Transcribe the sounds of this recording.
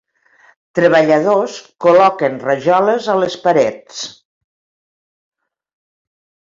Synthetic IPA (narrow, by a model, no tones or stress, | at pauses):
t̪ɾəβəʎəð̞oskulɔkənrəʒɔləzələspaɾɛt͡s